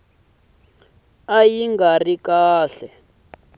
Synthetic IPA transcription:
ajiŋɡarikaːɬɛ

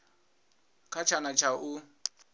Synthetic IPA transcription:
kʰat͡ʃʰanat͡ʃʰaʔu

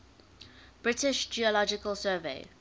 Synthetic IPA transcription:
b̥ɹɪtɪʃd͡ʒiəlɔd͡ʒɪkəlˠsɜːveɪ

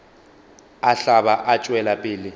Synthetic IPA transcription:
aɬaβaʔat͡ʃʼwɛlapʼɪːlɪ

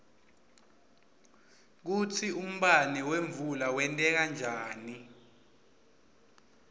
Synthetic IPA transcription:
k̬ut͡sʰium̩ɓaniweɱvulawɛntʼɛk̬and͡ʒʱaːni

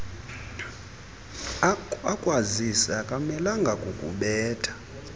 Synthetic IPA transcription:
akʼwazisakʼamɛlaŋɡʱakʼukʼṵɓɛːtʼḁ

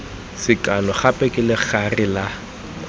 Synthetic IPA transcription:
sɪkʼalɔχapʼɛkʼɪlɪχarɪla

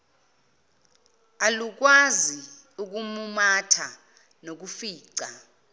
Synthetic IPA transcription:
aluk̬wazi | uk̬umumatʰa | nok̬ufiːǀa

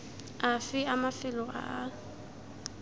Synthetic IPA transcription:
afɪamafɪlɔʔa̰ʔa

